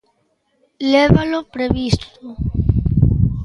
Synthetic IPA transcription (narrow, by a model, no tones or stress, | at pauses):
leβalopɾeβist̪o